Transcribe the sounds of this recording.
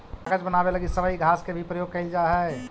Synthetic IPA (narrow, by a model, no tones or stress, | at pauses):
ɡəd͡ʒbənabeləɡisəbəiɡʱaskebʱipɾəjoɡ̚kəɪld͡ʒaɦə